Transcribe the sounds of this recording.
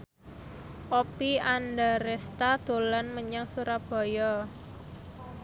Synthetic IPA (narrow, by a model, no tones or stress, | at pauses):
ʔopiandaɾɛst̪ad̪̥o̤lanməɲaŋsuɾab̥ɔ̤jɔ